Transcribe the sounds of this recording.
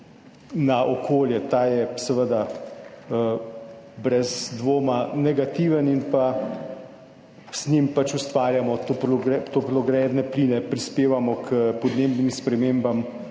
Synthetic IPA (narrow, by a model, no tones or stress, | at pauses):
naʔokʰoːljɛt̪ajɛsɛʋəd̪a | bɾɛzd̪ʋoːmanɛɡat̪iːʋəninpa | snimpat͡ʃust̪ʋaːɾjamɔt̪opɾɡɛt̪opɾɔɡɾɛd̪nɛpliːnɛpɾispeːʋamɔkʰəpɔd̪neːbnimspɾɛmembam